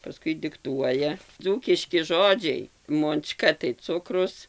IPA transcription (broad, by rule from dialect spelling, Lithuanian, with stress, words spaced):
pɐˈskʊɪ dʲɪkˈtuɔjɛ ˈd͡zuːkʲɪʃʲkʲɪ ˈʒoːd͡ʒʲɛɪ moːnˈt͡ʃkɐ tɐɪ ˈt͡sʊkrʊs